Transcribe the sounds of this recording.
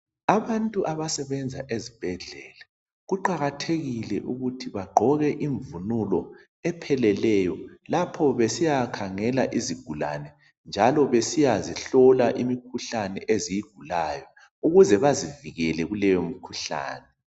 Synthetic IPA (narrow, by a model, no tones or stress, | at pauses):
aβantʼuʔaβasɛβɛnd͡zʱa̰ʔezib̥ʱɛɮɛːla | ɣuǃaɣatʰeɣilɛʔuɣutʰiβaɡ͡ǃʱɔɣɛʔiɱvunulɔ | ɛpʰɛlɛlɛjɔlapʰɔβesijakʰaŋɛlaʔiziɡ̥ʱula̰nɛ | nd͡ʒʱalɔβesijaziɬɔlaʔimikʰuɬanɛ̰ʔezijiɡ̥ʱulajɔ | uɣuzɛβaziviɣɛlɛɣulɛjomikʰuɬa̰ːnɛ